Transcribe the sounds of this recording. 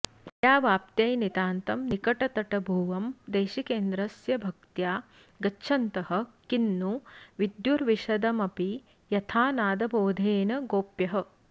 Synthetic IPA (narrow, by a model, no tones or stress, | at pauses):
jaːʋaːp̚t̪jɐjnit̪aːnt̪ɐmnikɐʈɐt̪ɐʈɐbʱuːʋɐmd̪eːʃikeːnd̪ɾɐsjɐbʱɐk̚t̪jaː | ɡɐːʃʰɐnt̪ɐɦɐ̆kinːuʋid̪juɾʋiʃɐd̪ɐmɐpi | jɐt̪ʰaːnaːd̪ɐbʱoːd̪ʱeːnɐɡoːpjɐɦɐ̆